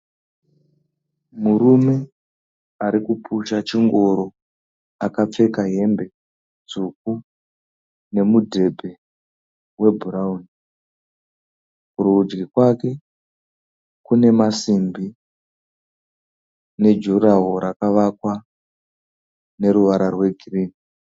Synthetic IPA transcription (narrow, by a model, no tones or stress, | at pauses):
muɾume̞ | aɾikupʰuʃat͡ʃiŋɡo̞ɾo̞ | akap͡fe̞kaɦe̞mbe̞ | d͡zuk̚u | ne̞mudʱe̞bʱe̞ | we̞bʱuɾauni | kuruud͡ʒɡikwake̞ | kune̞masimbi | ne̞d͡ʒuraɦoɾakaʋakwa | ne̞ɾuʋaɾarwe̞ɡʱiriːni